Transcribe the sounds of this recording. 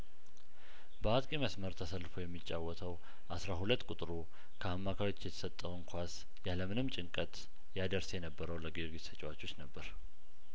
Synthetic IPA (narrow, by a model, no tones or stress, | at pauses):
bəat̪ʼkʼiməsməɾt̪ʰəsəlːɨfojɛmːit͡ʃʼːawːɔt̪ʰəw | ʔasɾaɦulət̪ːkʼut̪ʼɾu | kʰəamːakʰawo̞t͡ʃːjɛt̪ʰə̥sət̪ʼːəwɨŋkʰʷas | jaləmɨnɨmt͡ʃʼɪŋkʼət̪ | jad̪əɾsjɛnəbːəɾəwləɡiɡisət͡ʃʼwat͡ʃːo̞t͡ʃːnəbːəɾ